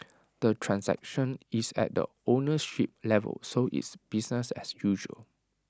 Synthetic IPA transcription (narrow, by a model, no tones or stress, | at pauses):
d̥ətʰɹãnsɛ̰k̚ʃə̃nisɛ̰t̚də̰ | onəʃip̚lɛvə̰lsoʔḭtsb̥isnəsɛ̰sjuʒə̰l